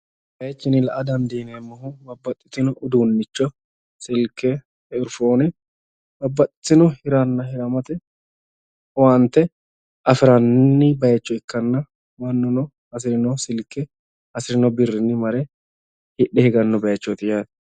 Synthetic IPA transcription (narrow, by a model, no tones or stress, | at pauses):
bɐjɛt͡ʃːɪnɪlɐʔɐd̪ɐnd̪iːneːmːɐɦʊbɐbːɐt̪ʼːɪ̥t̪ːɪnɔʔʊd̪uːnːɪt͡ʃːɔ | sɪlkːɛ | ɪɾfoːnɛ | bɐbːɐt̪ʼːɪt̪ːɪnɔhɪɾɐnːɐhɪɾɐmɐt̪ɛ | want̪ːɛ | ɐfɪɾɐnːɪbɐjɐt͡ʃːɔɪkːɐnːɐ | wɐnːɔnɔ | ɐs̬ɪɾɪnɔsɪlkːɛ | ɐsɪɾɪnɔbɪrːɪnːɪmɐɾɛ | hɪɗːɛhɪɡɐnːɔbɐjɛt͡ʃːɔt̪ɪjaːd̪